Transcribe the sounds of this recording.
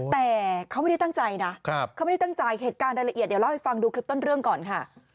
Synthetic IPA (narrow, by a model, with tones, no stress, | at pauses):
t̪ɛː˨˩kʰa˦˥wma˥˩da˥˩t̪a˥˩ŋt͡ɕa˧jna˦˥˦k̚ʰa˥wm˦˥˩t̪a˥˩ŋt͡ɕa˧jɦeː˨˩t̪̚kaː˧nɾaː˧jla˧ʔi˨˩t̪̚dla˥˩ha˧˦jfa˧ŋduː˧kʰli˦˥p̚t̪o˥˩nɾɯ˥˩əŋkɔː˨˩nkʰa˥˩